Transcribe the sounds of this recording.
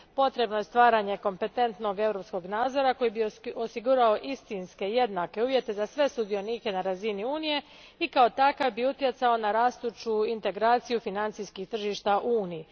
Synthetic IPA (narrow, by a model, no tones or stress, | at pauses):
po̞t̪ɾe̞bno̞je̞st̪ʋaːɾaɲe̞ko̞mpe̞t̪e̞nt̪no̞ɡe̞vɾo̞psko̞ɡnaːd̪zo̞ɾako̞jibiosiɡuɾaoʔist̪inske̞je̞d̪nake̞uːʋje̞t̪e̞zasʋe̞sud̪io̞niːke̞naɾaziniuːnije̞ | ikao̞t̪akavbiut̪je̞t̪sao̞naɾaːst̪ut͡ʃuint̪e̞ɡɾaːt̪sijufinant̪sijskixt̪r̩ʒiʃt̪aʔuuːniji